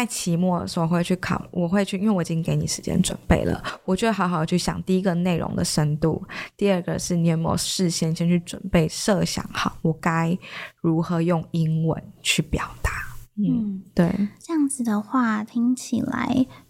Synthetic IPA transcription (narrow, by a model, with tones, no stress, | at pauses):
a˥˩ɪt͡ɕʰi˧˥mwɔ˥˩də̰˩ʂ̩˧˥wo˧xwe˥˧t͡ɕʰy˥˩kʰɑ̰˨˩ʊwʔɔ˨˩xwe˥˧ɪt͡ɕʰy˥˩i˥nwe˥˩ɪwt͡ɕi˥˧ke˧˥ɪni˨˩ʂɻ̩˧˦t͡ɕjɛ̰˥nʈ͡ʂwə̰˨˩npe˥˩ɪlə̰˩wɔ˨˩t͡ɕɥɛ˧˥d̪ə˧xɑ˧˥xɑ˨˩˨t͡ɕʰy˥˩ɕjɑ̰˨˩ŋt̪i˥˩i˧˥ɡə˨ne˥˩ɪɻo̰˧˥ŋd̪ə̰˨ʂə˥nt̪ṵ˥˨˩t̪i˥˧ə˥˩ɡə̰˩ʂɻ̩˥˩ni˨˩ə˧˥˩m˧jo̰˧˩ʂɻ̩˥˧ɕjɛ˥˧ni˨˩ɕjɛ˥˧nt͡ɕʰy˥˩ʈ͡ʂwə̰˨˩npe˥˩ɪʂɤ˥˧ɕjɑ̰˨˩˦ŋxɑ˨˩˦ʊwɔ˨˩ka˥ɪɻu˧˥xɤ˨˧˥jʊ˥˩ŋi˦˥ŋwə̰˧˦nt͡ɕʰy˥˩pjɑ˨˩ʊt̪a˨˦n̩˥˩t̪we˥˩ɪɪʈ͡ʂə˥˧jɑ˥˩ŋd͡zɹ̩˨˩d̪ə˩xwa˥˩t̪ʰi˧˥ŋt͡ɕʰi˨˩la̰˧˦ɪ